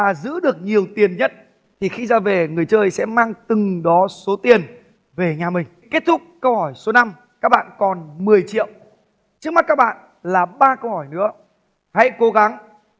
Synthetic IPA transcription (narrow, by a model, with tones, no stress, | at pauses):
aː˨˩zɨ̰˧˥ɗɨ˨˩ək̚ɲi˨˩əwt̪i˨˩ənɲə˦˥t̚ | t̪ʰi˨˩xi˧zaː˧ve˨˩ŋɨ˨˩əjt͡ɕəː˧jsɛ̰˧˥maː˧ŋt̪ɨ˨˩ŋɗɔ˨˦so˨˦t̪i˨˩ən | ve˨˩ɲaː˨˩mï˨˩ŋ̟ke˦˥t̚t̪ʰʊ˦˥k͡p̚kːə˧whɔ˧˩jso˨˦na˧m | kaː˦˥k̚ɓa̰ː˧˨nkɔ˨˩nmɨ˨˩əjt͡ɕḭ˧˨əw | t͡ɕɨ˦˥k̚ma˦˥t̚kaː˦˥k̚ɓa̰ː˧˨n | laː˨˩ɓaː˧kə˧whɔ˧˩jnɨ̰˧˥ə | ha̰˧˥jko˨˦ɣa˨˦ŋ